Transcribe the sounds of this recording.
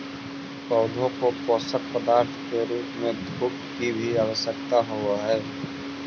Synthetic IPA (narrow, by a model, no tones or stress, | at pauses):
pɔʊd̪ʱõkopɔːsək̚pəd̪aːɾt̪ʰkeɾuːpmẽd̪ʱuːk | kibʱiaːwəsjək̚t̪aɦoaɦɛː